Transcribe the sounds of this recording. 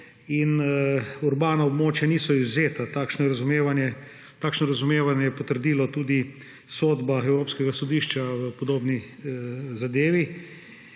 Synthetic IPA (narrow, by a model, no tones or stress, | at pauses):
in | uɾbaːnaob̚moːt͡ʃjaniːsɔizzeːt̪at̪aːkʃnɔjɛɾazumeːʋanjɛ | t̪aːkʃnɔɾazumeːʋanjɛjɛpɔt̪əɾd̪iːlɔt̪uːd̪i | soːd̪baɛwɾoːpskɛɡasɔd̪iːʃt͡ʃaʋəpɔd̪oːbni | zad̪eːʋi